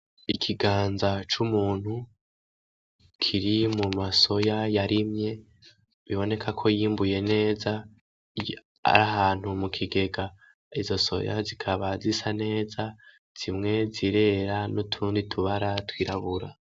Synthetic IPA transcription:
ikʰiɡaːnzat͡ʃumuːn̥hu | kʰiɾimumaso̞jajaɾimɲe̞ | βiβo̞ne̞kʰakʰo̞jiːmbuje̞ne̞ːza | a̰ɾaɦaːn̥humukʰiɡe̞ɡa | izo̞so̞̰ja̰zikʰaβazisane̞ːza | z̥imŋe̞ziɾe̞ɾanutʰuːnditʰuβaɾatwiːɾaβuɾa̰

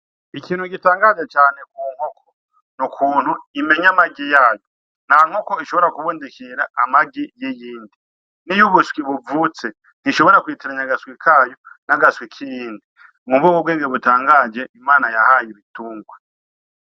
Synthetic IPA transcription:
ikiːnhuɡitaːŋɡaːd͡ʒe̞t͡ʃaːnekwuːŋ̥hokʰo | nukʰuːn̥huime̞ɲamaɡijaːjo | n̥aːŋ̥ho̞koiʃo̞βo̞ɾakuβuːndikʰiɾaamaɡijijiːndi | nijuβuswiβuvut͡se | n̥hiʃo̞βo̞ɾakwiːtiɾaɲaɡaswikʰaːjo̞naɡaswikʰijiːndi | ŋuβɡokoβɡweːŋɡeβutaːŋɡaːd͡ʒe̞ʔimaːnajahaːjiβituːŋɡwa

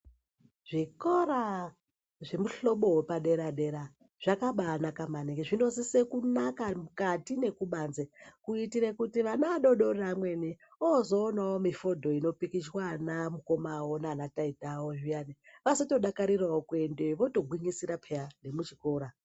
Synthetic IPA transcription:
ʐ̥ikoɾa | ʐe̞muɬo̞ɓo̞wepaɗe̞ɾaɗe̞ɾa | ʐ̥akaɓaːnakamanekeʐino̞zisekunakamukatine̞kuɓanzekuitiɾekutiʋanaaɗo̞ɗo̞ramwe̞ni | ozo̞ːnawomifo̞dʱo̞ino̞pikiswanamuko̞mawonanataitawoʐijaniʋasoto̞ɗakaɾiraokuendeʋo̞to̞ɡʱwiŋisiɾapʰejane̞mut͡ʃiko̞ːɾa

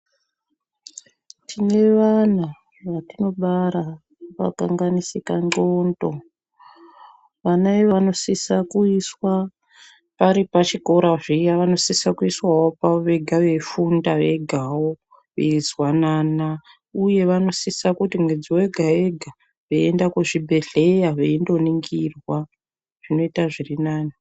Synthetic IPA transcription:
tʰine̞ʋana | ʋatino̞ɓaɾa | ʋa̰kaŋɡanisikaŋ͡ǃondo | ʋanaiʋano̞sisakuiswa | paɾipat͡ʃiko̞ɾaʐijaʋano̞sisakuiswawopaʋe̞ɡʱaʋe̞fundaʋe̞ɡʱawo | ʋḛizwanaːna | uje̞ʋano̞sisakutimwed͡ziwe̞ɡʱae̞ɡʱa | ʋeendakuʐibʱe̞ɮe̞jaʋeindo̞niŋɡirwa | ʐ̥ino̞itaʐirinaːna

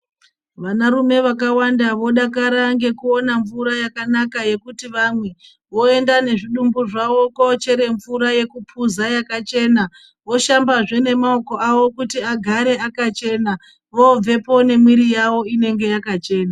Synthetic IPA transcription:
ʋanaɾume̞ʋakawandaʋo̞ɗakaɾaŋɡe̞kuo̞naɱvuɾajakanakaje̞kutiʋamwe̞ | ʋo̞e̞ndane̞ʐiɗumbuʐaʋo̞kot͡ʃe̞ɾe̞ɱvuɾaje̞kupʰuzajakat͡ʃe̞na | ʋo̞ʃambaʐe̞ne̞maoko̞aʋo̞kutiaɡʱaɾe̞akat͡ʃe̞na | ʋo̞b͡ve̞po̞ne̞mwiɾijaʋo̞ine̞ŋɡe̞jakat͡ʃe̞ːna

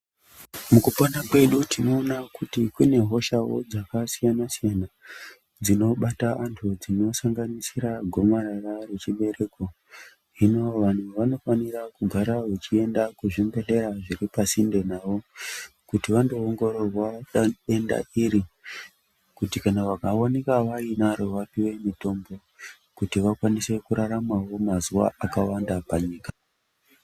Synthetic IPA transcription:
mukuponakwe̞ɗutino̞ːnakutikune̞ɦo̞ʃawo̞̰d͡zakasijanasijana | d͡zino̞ɓataʔantʰud͡zino̞saŋɡanisiɾaɡʱo̞marararet͡ʃiɓe̞ɾe̞ko̞ | inooʋan̤uʋano̞fanirakuɡʱaɾaʋet͡ʃie̞ndakuʐimbe̞ɮe̞ɾaʐiɾipasinde̞naːʋo̞kutiʋando̞ːŋɡo̞ɾo̞rwae̞nda̰ʔiɾi | kutikanaʋakawonekaʋainaɾo̞ʋapiwe̞mito̞mbo̞ | kutiʋakwanise̞kuɾaɾamawo̞mazuwa̰ʔakawandapaɲiːka

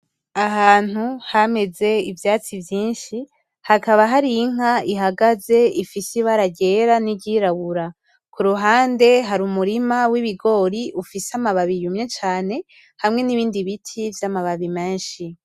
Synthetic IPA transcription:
aɦaːn̥huhame̞ze̞ivjaːt͡sivjiːnʃi | hakaβaɦaɾijiŋ̥aiɦaɡaze̞ifisiβaɾaɟe̞ɾaniɟiɾaβuɾa | kʰuɾuɦaːnde̞ɦaɾuːmuɾimawiβiɡo̞ɾiʔufiseamaβaβijumɲe̞t͡ʃaːne̞ | hamŋe̞niβiːndiβitʰivjamaβaβime̞ːnʃi

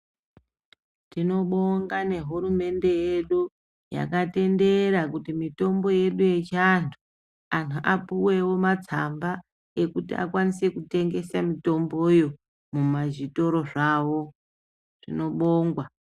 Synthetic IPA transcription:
tino̞ɓo̞ŋɡane̞ɦuɾume̞nde̞jeɗu | ja̰kate̞nde̞ɾakutimito̞mbo̞je̞ɗuje̞t͡ʃantʰu̥ | antuʔapuwe̞wo̞mat͡samba | e̞kutia̰kwanise̞kute̞ŋɡe̞samito̞mbo̞jo̞ | mumaʒito̞ɾo̞ʐaːʋo̞ | ʐ̥ḭno̞ɓo̞ːŋɡwa

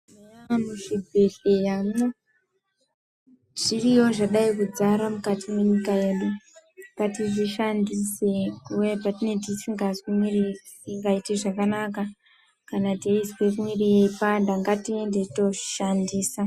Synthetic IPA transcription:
amuʐibʱeɮejamo | ʐ̥iriwo̞ʐaɗaikud͡zaɾamukatʰimeɲikaje̞ɗupatiʐiʃandiseujepatine̞t̬isiŋɡaswimwiri | ŋɡaiteʐakanaka | kanateiswekumwireeipandaŋɡatie̞ndeto̞ʐi̥ʃandiːsa

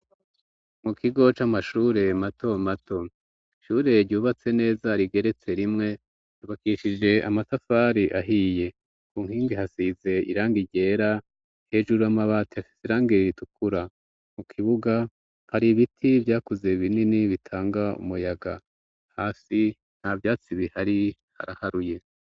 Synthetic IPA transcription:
mukʰiɡo̞t͡ʃamaʃuːɾe̞matʰo̞matʰo̞ | ʃuːɾe̞ɾɟuːβat͡se̞ne̞ːzaɾiɡe̞ɾe̞t͡se̞ɾimŋe̞ | uβakiʃid͡ʒe̞a̰matafaːɾiʔaɦije̞ | kuːŋhiːŋɡihasize̞ḭɾaːŋɡiɟe̞ːɾa | he̞ːʒuɾuamaβaːtiafi̥seɾaːŋɡeɾiɾitukuɾa | mukʰiβuɡa | haɾiβitʰivjaːkuze̞βininiβitʰaːŋɡaṵmujaɡa | haːsi | n̥havjaːt͡siβihaɾi | ha̰ɾahaɾuje̞

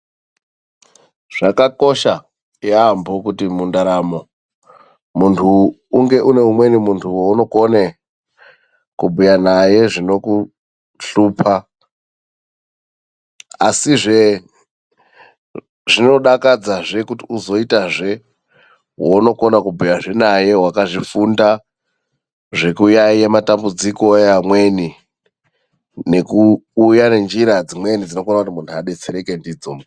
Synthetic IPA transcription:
ʐ̥akako̞ʃa | jaambokutimundaɾamo̞ | muntʰuː | ŋɡe̞ʔune̞umwe̞nimuntʰuwuno̞kone | kubʱujanaje̞ʐino̞ku | ɬuːpʰa | a̰siʐe | ʐino̞ɗakad͡zaʐe̞kutiuzo̞itaʐe̞ | wono̞ko̞nakubʱujaʐe̞naje̞wakaʐifunda | ʐe̞kujaiematambud͡ziko̞jamwe̞ni | ne̞kuːjane̞nd͡ʒiɾad͡zimwe̞nid͡zinokonakutimuntʰuaɗe̞t͡seɾe̞ke̞ndiːd͡zomo

